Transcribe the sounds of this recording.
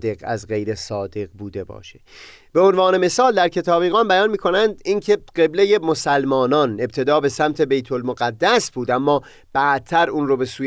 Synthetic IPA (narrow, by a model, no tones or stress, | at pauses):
d̪e̞ɡæ̰zɢe̞jɾe̞sɒːd̪e̞ɣbuːd̪e̞bɒ̰ːʃe | b̥e̞onvɒːne̞me̞sɒːld̪æɾcʰe̞t̪ʰɒːbiːɣɒːnbæjɒːnmiːkʰo̞nænd̪incʰe̞ɢe̞bleje̞mosælmɒːnɒːne̞b̚t̪ʰe̞d̪ɒːbe̞sæmt̪ʰe̞be̞jt̪ʰolmoɣæd̪ːæsb̥uːd̪æmːɒː | b̥æd̪̥̚t̪ʰːæɾuːnɾobe̞suː